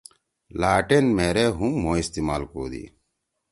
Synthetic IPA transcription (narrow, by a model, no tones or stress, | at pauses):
laːʈenmeːɾeːɦũːmõːist̪iːmaːlko̰ːd̪ḭː